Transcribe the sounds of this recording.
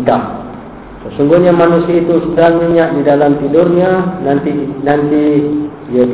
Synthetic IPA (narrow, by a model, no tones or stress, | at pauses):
t̪ah | səsuŋɡuhɲamanusiait̪usədaŋmiɲaʔ̚didalamt̪indʊrɲanant̪inant̪i | ijaɡ